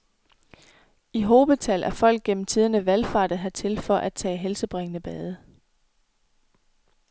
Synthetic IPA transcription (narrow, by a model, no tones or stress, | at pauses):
iɦo̝ːb̥əðˠt͡sʰælʔæɐfɒ̽l̰ɡ̥̚ɡ̥en̰m̩t͡sʰiːð̞ˠənəʋælfɑ̰̈ːɾ̥ðɦæt͡sʰe̝lfɒ̽ʔæd̥̚t͡sʰɛ̰ːɦelsəb̥ʁeŋənəb̥ɛːð̞ˠə